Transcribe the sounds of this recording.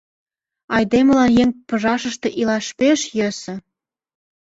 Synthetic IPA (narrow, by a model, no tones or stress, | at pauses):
ɑjd̪emə̆lɑnjeŋpɤ̆ʒɑʃə̆ʃt̪ĕʔilɑʃpeʃjə̆sɤ̆